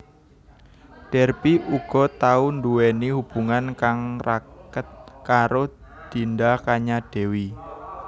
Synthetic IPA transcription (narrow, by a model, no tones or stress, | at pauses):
ɖ̥ɛ̤rpiʔuɡ̥ɔ̤t̪aunduwenihub̥uŋankaŋrakət̪̚kaɾo | d̪̥i̤ndakaɲaɖ̥e̤wi